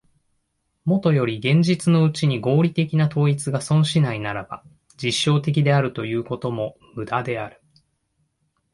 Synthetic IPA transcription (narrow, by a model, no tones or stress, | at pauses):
mo̞t̪o̞jo̞ɾʲiɡẽ̞ɲ̟d͡ʑit͡sɨno̞ɯ̟t͡ɕiɲ̟iɡo̞ːɾʲit̪e̞kʲinat̪o̞ːit͡sɨɡasõ̞ɰ̃ɕinainaɾaba̰ | d͡ʑiɕːo̞ːt̪e̞k̬ʲid̪e̞aɾɯ̟t̪o̞jɯ̟ːko̞t̪o̞mo̞mɯ̟d̪ad̪e̞aɾɯ̟̥